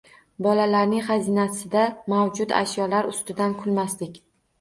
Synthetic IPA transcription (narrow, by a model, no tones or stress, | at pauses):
bɒlalaɾnɪŋχɑzinasɪd̪amawd͡ʒʊt̪a̰ʃjɒlaɾʊst̪ɪd̪ankʰʊlmaslɪkʲ